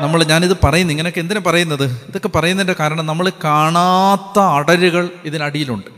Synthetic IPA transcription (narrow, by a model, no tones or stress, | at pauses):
nɐmːɐɭɲaːniðɨpɐrɐjunːiŋːɐnejokːend̪inepɐrɐjunːɐðɨiðo̞kːepɐrɐjunːindekaːɾɐɳɐmnɐmːɐɭkaːɳat̪ːɐːɽɐɾuɣɐɭiðinɐɽijiluɳɖɨ